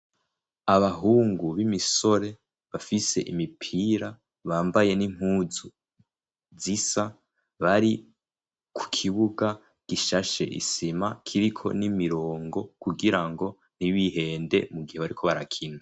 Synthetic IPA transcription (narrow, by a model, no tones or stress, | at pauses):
aβaɦuːŋɡuβimiso̞ɾe̞ | βafise̞̰ʔimipʰiːɾa | βaːmbaje̞nim̥uːzu | zisa | βaɾi | kʰu̥kʰiβuɡa | ɡ̥iʃaʃe̞̰ʔḭsimakʰiɾikʰo̞̰nimiɾo̞ːŋɡo̞kuɡiɾaŋɡo̞ | n̥iβiɦe̞ːnde̞̰muɡiheβaɾikʰo̞βaɾa̰kʰine